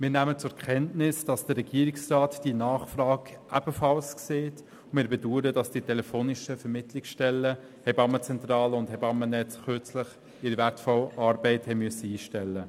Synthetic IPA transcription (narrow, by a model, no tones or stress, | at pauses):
mɪːnæmət͡sʊɛkʰɛntnɪsd̥ɑsd̥əɾːɛɡiːəɾɪksraːtd̥inɑːχfrɑːɡʔæb̥əfɑlskseːt | mɪːɾbɛduːɾəd̥ɑsd̥itʰɛlɛfoːnɪʃəfɛɾmɪtlɪksʃtɛlːə | hɛbɑmːət͡sɛntɾɑːləʊndhɛbɑmːənɛt͡sχøt͡slɪχ | ɪɾivæɾtfɔlɑːɾbɛɪthɛmyəsəiːʃtɛlːə